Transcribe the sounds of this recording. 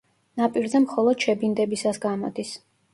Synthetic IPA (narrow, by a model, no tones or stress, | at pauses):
napʼiɾzɛmχɔlˠɔd̪̥ʃɛbind̪ɛbisasɡamɔd̪is